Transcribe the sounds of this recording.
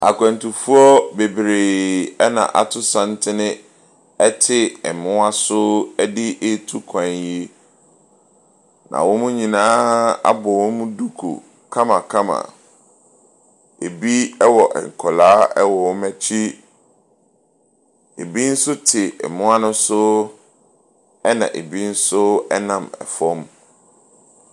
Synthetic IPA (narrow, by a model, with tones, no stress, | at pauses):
a̰˨kʰʷɛ̃˨ntʊ˨fu˦ɔ˦be˨bɾe˨ɛ˦nã̰˨ʔa̰˨tʰʊ˦sã˦n˦tʰɪ˦nɪ̃˦ | ɛ˦tʰɪ˨ɛ˨mʊ̃˦a˦sʊ˦ɛ˦dɪ˦ʔe˦tʰu˦kʰã˨nji˦ | nã̰˨wʊ̃˦mʊ̃˦ɲĩ˨nãː˦a̰˦bɔ˨wʊ̃˦mʊ̃˦du˦kʰo̰˨ | kʰã˦mã˨kʰã˦mã̰˨ | e˨bi˦ɛ˦wɔ˨ʔɛ̰˨ŋ̩˨kʰɔ˨laː˦ɛ˦wɔ˨wʊ̃˦mæ˦t͡ɕʰi˦ | e˨bi˦n̩˦sʊ˦tʰɪ˨ɛ̰˨mʊ̃˦a˦nʊ̃˦sʊ˦ | ɛ˦nã̰˨ʔḛ˨bi˦n̩˦sʊ˦ɛ˦nã˨mɛ̰˨fɔ˦m